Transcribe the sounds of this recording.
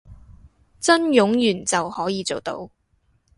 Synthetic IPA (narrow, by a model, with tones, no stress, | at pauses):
t͡sɐ˥njʊ˨˥ŋjyː˨˩nt͡sɐ˨whɔː˨˥jiː˨˧t͡so˨wt̪o̰˨˥w